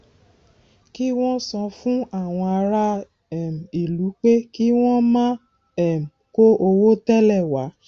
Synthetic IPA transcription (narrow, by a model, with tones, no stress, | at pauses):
ki˦w̃ɔ̃˦sɔ̃˧fũ˦a˦˨w̃ɔ̃˧a˧ɾa˧ | ɛ˦˨m̩˨i˨lu˨˦k͡pe˦ki˦w̃ɔ̃˦mã˦ | ɛ˦˨m̩˨ko˦ʔo˧wo˦tɛ˦lɛ˦˨wa˨˦